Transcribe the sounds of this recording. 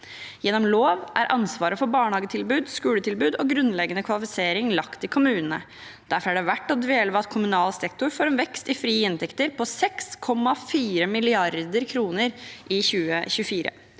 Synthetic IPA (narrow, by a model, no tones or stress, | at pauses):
jɛnɔmloːʋʔæ̰ɾʔɑnsʋɑːɾəfɔɾbɑːɳhɑːɡət̪ʰɪlbʉːd̪skʉːlət̪ɪlbʉːd̪oːɡɾʉnlɛɡənəkʰʋɑlɪfɪseːɾɪŋlɑkt̪ɪkʰʊmʉːnənə̰ | d̪̥æɾfɔɾæɖɛʋæʈːɔd̪ʋeːləʋəɑt̪kʰʊmʉnɑːlsɛkt̪ʊɾfoːɾɛnʋɛkst̪ɪfɾiːɪnt̪ʰɛkt̪əɾpʰɔsɛkskʰɔmːɑfiːɾəmɪlɪɑɾd̪əɾkʰɾuːnəɾʔɪçʉːəɕʉəfiːɾə̰